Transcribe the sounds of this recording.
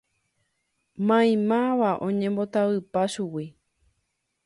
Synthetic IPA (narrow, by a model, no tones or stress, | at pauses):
mãj̃mãʋaʔõ̞ɲẽmbo̞t̪aʋɨpaʃuwi